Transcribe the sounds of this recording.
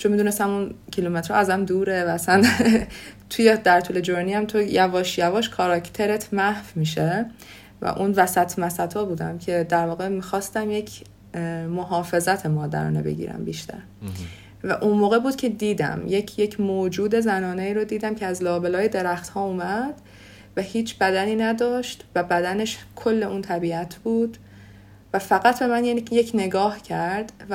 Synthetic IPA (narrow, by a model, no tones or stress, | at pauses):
t͡ʃʰomid̪unest̪æmuncʰilume̞t̪ɾɒ̰æzæmd̪uːɾevææsæn | t̪ʰujed̪æɾt̪ʰuːle̞d͡ʒoɾniæmt̪ʰojævɒːʃjævɒːʃkʰɒːɾɒcʰt̪ʰe̞ɾet̪ʰmæhfmiːʃe | væ̰ʔunvæsæt̪ʰmæsæt̪ʰɒːbuːd̪æmcʰe̞d̪æɾvɒːɣemiːxɒːst̪æmje̞cʰ | moɦɒːfe̞zæt̪ʰemɒːd̪æ̰ɾɒ̰ːnḛbe̞̰ɟḭːɾæ̰mbiʃt̪ʰæ̰ɾ | væ̰ʔunmoːɣe̞buːd̪̥̚cʰe̞d̪iːd̪æ̰mjecʰjecʰmod͡ʒuːd̪e̞zænɒːneiːɾod̪iːd̪æmcʰeæzlɒːbe̞lɒːjed̪e̞ɾæxt̪hɒːumæd̪̥ | væhiːt͡ʃʰbæd̪æniːnæd̪ɒːʃt̪væbæd̪æne̞ʃkʰo̞lːe̞ʔuːnt̪ʰæbiːæt̪ʰb̥uːd̪̥ | væfæɣæt̪ʰbe̞mænjejecʰne̞ɡɒːhcʰæɾd̪̥v